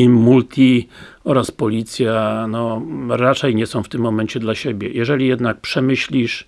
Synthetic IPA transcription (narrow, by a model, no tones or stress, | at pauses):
mult̪ʲʰi | ɔɾaspɔlʲit̪sʲjanɔɾat͡ʂɛjɲɛsɔ̃w̃ft̪ɘmːɔmɛɲt͡ɕɛd̪laɕebʲjɛjɛʐɛlʲijɛd̪nak̚pʂɛmɘɕlʲiʂ